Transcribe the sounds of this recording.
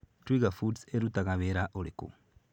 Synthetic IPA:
twiɣafudseɾutaɣaβeɾaʔolikṵ

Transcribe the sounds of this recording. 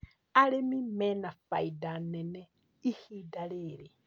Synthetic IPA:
aɺemimɛnafaidanɛnɛ | ihidaɺeːɺe

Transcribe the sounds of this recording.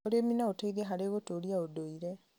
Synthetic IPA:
oɾeminaotaiðɛɦaɾeːɣotoːɾiaodoiɾɛ

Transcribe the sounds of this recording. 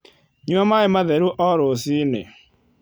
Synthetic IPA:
ɲuɔmaɲɪmaðeɾuʔɔɾʊsinḛ

